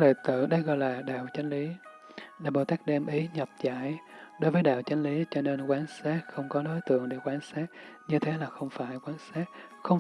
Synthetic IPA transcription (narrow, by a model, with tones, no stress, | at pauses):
lə˨t̪ɨ̰˧˨ɗə˧jɣɔ̰˧˨jlaː˨˩ɗa̰ː˧˨wt͡ɕa˨˦jŋ̟li˨˦ | ɗaː˧˩ɓo˨˩t̪aː˦˥k̚ɗɛ˧mʔi˨˦ɲə˨˩p̚za̰ː˧˨jɗo˨˦jvəː˨˦jɗa̰ː˧˨wt͡ɕa˨˦jŋ̟li˨˦t͡ɕɔ˧ne˧nkwaː˨˦nsaː˦˥k̚xə˧wŋ͡mkɔ˨˦ɗo˨˦jt̪ɨ̰˧˨əŋɗe˧˩kwaː˨˦nsaː˦˥k̚ɲɨ˧t̪ʰe˨˦laː˨˩xə˧wŋ͡mfaː˧˩jkwaː˨˦nsaː˦˥k̚ | xə˧wŋ͡m